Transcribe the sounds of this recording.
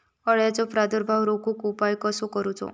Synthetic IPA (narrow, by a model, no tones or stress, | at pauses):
ɔɭjad͡ʒɔpɾad̪ɔɾbʱawɾokukupajkɔsɔkɔɾut͡ʃʰɔ̰